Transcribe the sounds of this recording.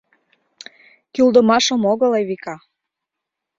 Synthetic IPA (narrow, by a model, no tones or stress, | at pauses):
kyld̪əmɑʃə̆moɣɤ̆lejβikɑ